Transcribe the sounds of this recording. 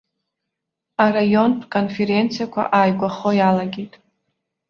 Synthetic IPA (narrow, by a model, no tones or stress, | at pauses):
arajo̞npʰʼkʼo̞nfe̞ɾe̞nt͡sʰijakʷʰa̰ʔajɡʷaχo̞jalaɡʲijtʼ